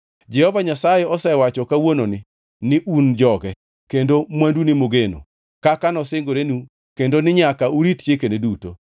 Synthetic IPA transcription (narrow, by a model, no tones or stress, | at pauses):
d͡ʒɛhɔvaɲasajeɔsɛwat͡ʃɔkawononɪ | nɪʔund͡ʒɔɡɛ | kendomwandunɪmoɡeno̰ | kakanɔsɪŋɡoɾenu | kendonɪɲakauɾitt͡ʃekeneduto